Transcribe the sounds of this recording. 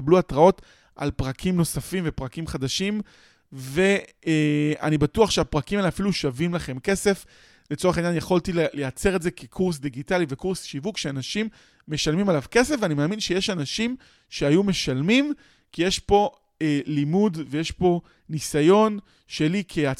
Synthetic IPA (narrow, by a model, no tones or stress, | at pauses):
bluatʁao̞t | ʔa̰lpʁakʰimno̞safimve̞pʁakimχadaʃim | ve̞ | a̰nibatuaχʃeapʁakimaleafiluʃavimlaχe̞mke̞se̞f | le̞t͡so̞eχaenjanjaχoltillejat͡se̞ʁetze̞kekʰuʁs̬d̪iɡitalivekuʁsʃivukʃeanaʃimː | e̞ʃalmimalavke̞sefveanimaːminʃe̞jeʃanaʃim | ʃeajume̞ʃalmim | kijeʃpo̞ | elimudvejeʃpo̞ | nisajo̞n | ʃe̞likʰea